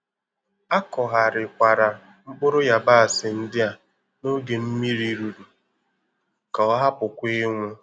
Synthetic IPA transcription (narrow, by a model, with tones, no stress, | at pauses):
a˦kɔ˨ɦa˨ɾɪ˨kʷa˨ɾa˨ | ŋ͡m̩˦k͡pʊ˦ɾʊ˦ja˨ba˦a˨sɪ˨n̩˦dɪ˦a˨ | no˦ɡe˨m̩˦mi˦ɾi˦ɾu˨du˨ | ka˨ɔ˦ɦa˦pʊ˨kʷi˦ŋʷʊ˦